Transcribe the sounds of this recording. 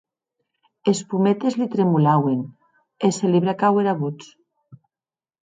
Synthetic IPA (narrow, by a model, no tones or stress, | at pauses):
espumet̪ezlit̪ɾemulawen | eseliβɾakaweɾaβut͡s